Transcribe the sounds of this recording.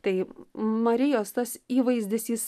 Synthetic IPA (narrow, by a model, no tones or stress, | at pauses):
t̪ɐɪmɐɾʲɪjoːst̪ɐsiːʋɐɪzʲdʲɪsjis